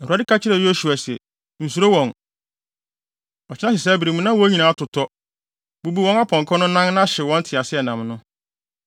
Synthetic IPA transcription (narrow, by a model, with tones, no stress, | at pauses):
ɛ˨hu˨a˨dɪ˦kʰa˦t͡ɕʰɪ˦ɾɛ˨jo˦su˨a˨sɛ˨ | n̩˨su˨ɾo˦wɔ̃˨n | ɔ˨t͡ɕʰɪ˦nã˦ɕɪ˨sɛː˦bi˨ɾi˨mũ˦nã˦wɔ˨˦ɲĩ˨nãː˨˦tʰʊ˨tʰɔ˦ | bu˦bu˦wɔ̃˦na˦pʰɔ̃˨ŋkʰɔ̃˦nʊ̃˦nã˦ŋnã˦ɕɪ˨wɔ̃˦n̩˦tʰɪ˨a˨sɪ˦ɛ˨nã˨mnʊ̃˦